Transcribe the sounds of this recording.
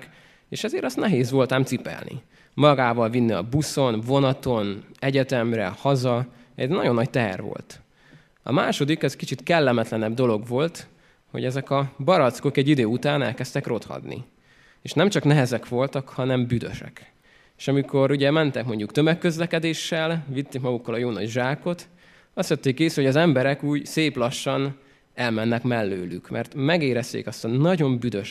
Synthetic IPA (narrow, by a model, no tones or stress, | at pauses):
k | eːʃɛzeːɾɒst̪nɛɦeːzʋo̞lt̪aːmt̪sipɛ̰lnḭ | mɒɡaːvɒlvinːiɒ̰buso̞nvo̞nɒt̪o̞nɛɟɛt̪ɛmrɛ̰hɒzɒɛ̰ɟnɒɟo̞nːɒc̚t̪ɛɦɛ̰rʋo̰lt̪ | ɒ̰maːʃo̞d̪ikɛzkit͡ʃit̪kɛlːɛmɛt̪lɛnɛb̚d̪o̞lo̞ɡʋo̞lt̪ | ho̰ɟɛzɛkɒbɒɾɒt̪sko̞kɛɟːid̪øːut̪aːnɛ̰lkɛst̪ɛkro̞t̪hɒ̰d̪nḭ | eːʃnɛmt͡ʃɒknɛɦɛzɛkʋo̞lt̪ɒkhɒnɛmbyd̪ø̰ʃɛ̰k | eːʃɒmiko̞ɾuɟɛmɛnt̪ɛkmo̞ɲɟukt̪ømɛkːø̞zlɛkɛd̪eːʃːɛlʋit̪ːeːkmɒɡukːɒlɒjoːnɒɟʒaːko̞t̪ | ɒst̪jøt̪ːeːkeːsylhoɟɒzɛmbɛɾɛkuːɟseːplɒʃːɒn | ɛlmɛnːɛkmɛlːø̰ːlykmʔɛ̰rt̪mɛɡeːɾɛst̪ḛːkɒst̪ɒnɒɟo̞mbyd̪øʃ